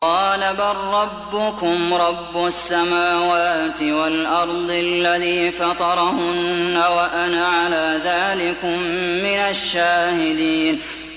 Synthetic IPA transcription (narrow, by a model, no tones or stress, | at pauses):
qɑːlabarˤːɑbːʊkʊmɾˤɑbːʊsːamaːwaːt̪ɪwalʔɑɾˤd̪ˤlːaðiːfɑt̪ˤɑɾˤɑhʊnːawaʔanaʕalaːðaːlɪkʊmːɪnaʃːaːhɪd̪iːn